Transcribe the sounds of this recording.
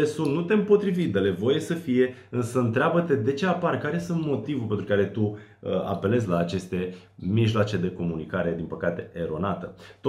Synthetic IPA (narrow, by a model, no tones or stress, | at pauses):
esunt̪nut̪e̞mpo̞t̪ɾivit̪̚d̪əle̞vo̞je̞səfije̞ɨnsəɨnt̪ɾeabət̪e̞d̪e̞t͡ʃe̞aparkaɾe̞sunt̪mo̞t̪ivupent̪ɾukaɾe̞t̪u | əa̰pe̞le̞z̬ʲlaːt͡ʃe̞st̪e̞ | miʒloat͡ʃe̞d̪e̞ko̞munikaɾe̞d̪inpəkat̪e̞ʔeɾo̞nat̪ət̪o